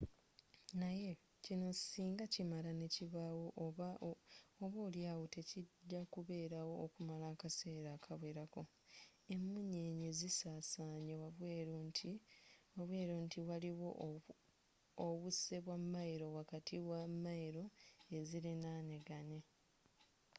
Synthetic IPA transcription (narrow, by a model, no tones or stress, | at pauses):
naje̞ | cino̞ci̥siːŋɡacimalane̞ciβawoʔ | oβo̞ːljaːwo̞te̞ciɟːakuβe̞ːɾawo̞ːkumalaːkase̞ːɾaːkʰaβwe̞ɾako̞ | e̞mːuɲe̞ːɲezisaːsaːɲewaβwet | waβwe̞ːɾontʰiwaliwo̞ | oβuse̞βwamːajiɾo̞wakatʰiwamːaiɾo̞e̞zilinaːneɡane̞